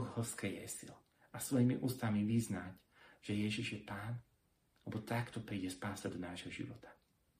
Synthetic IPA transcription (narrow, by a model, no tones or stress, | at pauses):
xhɔskɛjɛ̰sḭl | asʋɔjimḭʔuːst̪amiʋiznac | ʒ̥ɛjɛʒiʒjɛpaːn | lɛbɔt̪akt̪ɔpɾiːɟɛspaːsad̪ɔnaːʒɦɔʒḭʋɔ̰t̪ʰḁ